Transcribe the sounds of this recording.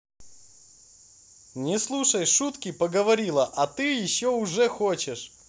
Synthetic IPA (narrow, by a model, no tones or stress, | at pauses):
nʲɪslˠuʂəjʂut̪kʲɪpəɡəvɐɾʲilˠəʔɐt̪ɨjɪɕːoʊʐɛxot͡ɕɪʂ